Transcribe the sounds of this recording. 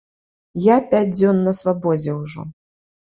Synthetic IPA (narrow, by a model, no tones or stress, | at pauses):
japʲad͡zʲd͡z̪ʲɔnːɐsvabɔd͡zʲɛwʐɔ̰